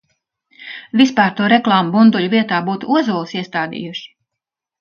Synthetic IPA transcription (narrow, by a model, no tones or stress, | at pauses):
vʲispaːɾt̪uɔɾɛklˠaːmubund̪ulʲuvʲiɛt̪aːbuːt̪uuɔzuːlˠsiɛst̪aːd̪ḭːjuʃi̥